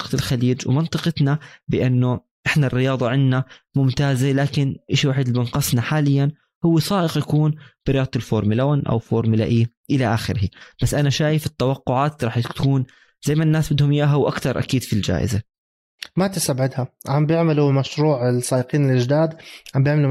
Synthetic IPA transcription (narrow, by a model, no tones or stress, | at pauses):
q̪ɪlxaliːd͡ʒwmɪnt̪ˤɨqɪt̪nabɪʔɪnːʊ | ʔɪħnarːɪjɑːðˤɑʕɪnnamʊmt̪aːzelaːkɪnʔɪʃwaːħɪd̪lɪbɪnqɑsˤnaħaːlɪjːan | hʊwːesˤɑːʔɪqjakuːnb̥ɪɾɪjɑːd̪̚ˤt̪ɪlfoːɾˤmɪlawanʔa̰wfoːɾˤmɪla̰ʔi | ʔɪlaʔaxɪɾhib̥asːʔanaʃaːjɪfɪt̪ːawɑqːʊʕaːt̪ɾˤɑːħkkuːn | zajːmaʔɪnːaːsbɪd̪hʊmjaːɦawʔakt̪ɑɾˤʔa̰kiːd̪fild͡ʒa̰ːʔɪ̰za | mat̪ɪsabʕɪd̪haʕambjɪʕmɪlumaʃɾuːʕɪsˤɑːʔɪqiːnɪlʔɪd͡ʒd̪aːd̪ʕambjɪʕmɪlu